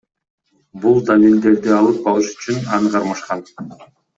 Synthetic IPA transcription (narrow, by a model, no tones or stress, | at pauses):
bulˠd̪alʲild̪e̞ɾd̪ɪɑlˠɯp̚ɑlˠɯʃy̥t͡ʃynɑnɯqʰɑɾmɑʃqɑn